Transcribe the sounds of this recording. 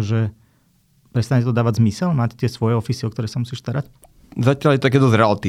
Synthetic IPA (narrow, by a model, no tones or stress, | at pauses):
ʒɛ | pɾɛst̪aɲcɛt̪ɔd̪aːʋaɟzmisɛlmaːct̪ɪɛsʋɔjɛɔfisiɔkt̪ɔɾɛːsamusiːʃst̪aɾac | zacɪaljɛt̪ɔt̪akɛːd̪ɔzɾɛalt̪i